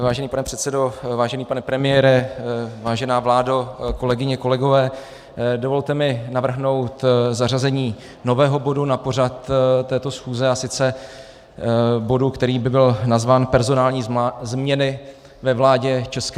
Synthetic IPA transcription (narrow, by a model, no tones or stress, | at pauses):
vaːʒɛniːpanɛpr̝̥ɛt̪sɛdo̞vaːʒɛniːpanɛpɾɛmɪjɛːɾɛvaːʒɛnaːvlaːdoko̞lɛɡɪɲɛko̞lɛɡo̞vɛː | do̞vo̞lt̪ɛmɪnavr̩ɦno̞wt̪zarazɛɲiː | no̞vɛːɦo̞bo̞dunapo̞r̝at̪t̪ːɛːt̪o̞sxuːzɛasɪt͡sɛ | bo̞dukt̪ɛɾiːbɪbɪlnazvaːnpɛɾzo̞naːlɲiːzmɲɛnɪ | vɛvlaːɟɛt͡ʃɛsk